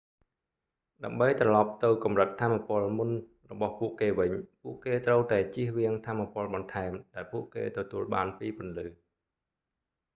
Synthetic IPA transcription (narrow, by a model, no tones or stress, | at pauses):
ɗaəmɓəjt̪rɑlɑp̚t̪ɨwkɑmrət̪̚ʰːaːmːapʊ̆əlmun | rɔɓɑhpuəʔkeːʋɨɲpuəʔkeːt̪rəwt̪aɛt͡ɕiəhʋiəŋt̪ʰaːmːapŏəlɓɑnt̪ʰaɛmɗaɛlpuəʔkḛːt̪ɔt̪uəlɓaːnpiːpʊ̆ənlɨː